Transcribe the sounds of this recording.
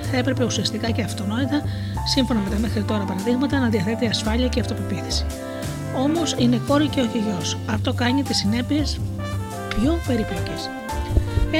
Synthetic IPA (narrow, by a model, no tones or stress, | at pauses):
θɐe̞pɾe̞pe̞usiɐst̪ikɐceɐft̪o̞no̞it̪ɐ | siɱfo̞nɐme̞t̪ɐme̞xɾit̪o̞ɾɐpɐɾɐðiɣmɐt̪ɐnɐðiɐθe̞t̪eiɐsfɐʎiɐceɐft̪opo̞piθi̥si̥ | o̞mo̞sine̞ko̞ɾiceoçiʝo̞sɐft̪o̞kɐɲit̪isine̞pie̞s | pço̞pe̞ɾiploce̞s